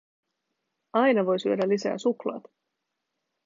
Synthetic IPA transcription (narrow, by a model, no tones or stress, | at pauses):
ɑjnɑʋo̞jsyødælisæ̰ːsuklɑ̰ːt̪